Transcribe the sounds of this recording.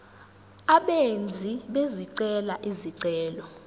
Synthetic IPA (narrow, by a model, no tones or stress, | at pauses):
aɓend͡zʱiɓeziǀɛlaʔiziǀɛːlɔ